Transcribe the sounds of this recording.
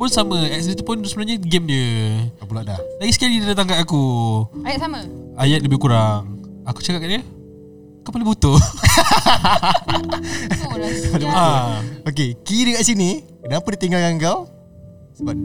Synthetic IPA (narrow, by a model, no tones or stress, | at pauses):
pʊnsaməɛk̚s̬it̪upʊnsəbənaɲaɡɛmɲəapulaʔdahlaɡisə̥kalidadat̪aŋkaakuajat̪saməajat̪̚ləbɪhkuɾaŋaku̥t͡ʃakap̚kaʔdə | kapalubut̪o | alubaok̬ekiɾəkaʔsini | kənapədit̪iŋɡalɡaŋɡaw | səba